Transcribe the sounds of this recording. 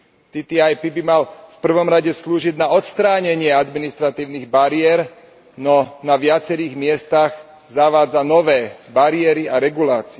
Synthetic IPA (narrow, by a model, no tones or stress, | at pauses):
t̪it̪iajpibimalfpr̩ʋɔmɾaɟɛsluːʒiɟnaɔt̪st̪ɾaːɲɛɲɪɛad̪minist̪ɾat̪iːʊniɣbaɾɪɛɾ | nɔnaʋɪat͡sɛɾiːɣmɪɛst̪aɣ | zaʋaːd͡zanɔʋɛːbaɾɪɛɾiaɾɛɡulaːt͡siɛ